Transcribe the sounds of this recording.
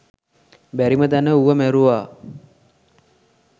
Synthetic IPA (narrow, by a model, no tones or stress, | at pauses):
bæɾimət̪ænəuʋəmæɾuʋaː